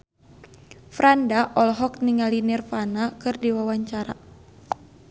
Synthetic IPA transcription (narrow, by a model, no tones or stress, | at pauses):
fɾandaʔɔlɦɔkniŋalinirfanakɨrdiwawaɲt͡ʃaɾa̰